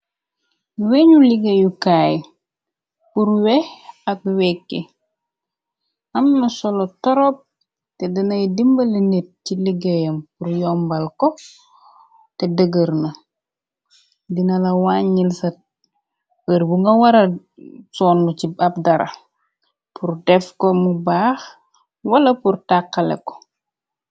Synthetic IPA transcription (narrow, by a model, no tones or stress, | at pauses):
uweɲuliɡejukaːj | puɾwehak̚wɛkːe | ɐmnasɔlotoɾop̚ | tedɐnɐjdimbɐlinet̚ciliɡejɐmpuɾjɔmbalko | tɛdəɡəɾnɐ | dinɐlɐwaːɲːilsɐt̚ | əɾbuŋɡɐwɐɾɐ | sɔːnːucibɐp̚dɐɾʔɐ̰ | purdɛfkɔmubaːx | wɐlɐpurtakːɐlɛ̰kɔ̥